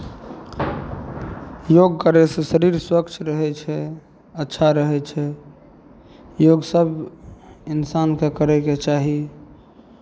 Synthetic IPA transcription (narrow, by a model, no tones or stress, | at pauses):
joɡkəɾesẽsəɾiɾswəkt͡ʃʰɾəɦɛt͡ʃʰɛ | ətːʃʰaɾəɦɛt͡ʃʰɛ | joɡsəb | insankekəɾɛket͡ʃaɦi